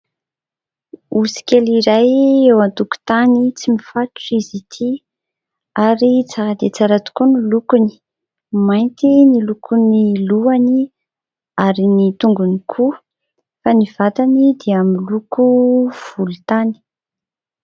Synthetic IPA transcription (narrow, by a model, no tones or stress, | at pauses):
usi̥kʲeliɾajewant̪uku̥t̪anit͡simifatʈ͡ʂizit̪ʰi | aɾit͡saɾad̪et͡saɾat̪u̥kunilukuni̥ | majnt̪inilukʰuniluani | aɾinit̪uŋɡunikʰu | faniv̥at̪anid̪eamilukuv̥ulut̪ani̥